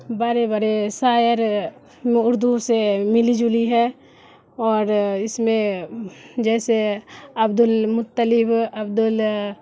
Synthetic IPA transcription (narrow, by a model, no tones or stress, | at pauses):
baːɾebəɾesaːjəɾ | mẽʊɾd̪usemɪlid͡ʒʊliɦɛ | ɔːɾɪsmẽ | d͡ʒɛːseɐbd̪ʊlmʊt̪ːəlɪbɐbd̪ʊl